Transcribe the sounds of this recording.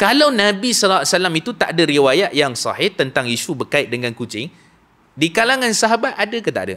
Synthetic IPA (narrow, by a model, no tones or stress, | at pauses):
kalawnãbisɔlaʔ̪salamit̪ut̪aʔdəɾiwajaʔ̪̚jaŋsa̰hɪht̪ənt̪aŋiʃubərkaɪt̪̚dəŋãnkut͡ʃɪŋ | dikalaŋãnsaɦabat̪̚adakət̪a̰ʔda̰